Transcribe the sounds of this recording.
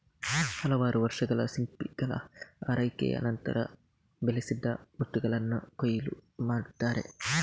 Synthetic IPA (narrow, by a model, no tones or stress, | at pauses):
hɐlɐʋaːɾuʋɐɾʂɐɡɐɭɐsimpiɡ̥ɐɭɐ̰aːɾɐjkɛ̰jɐ̰nɐnt̪ɐ̰ɾɐ̰ | belesid̪ːɐmuʈ̪ːuɡɐɭɐnːɐkojɐlumaːɽt̪aːɾe̞̰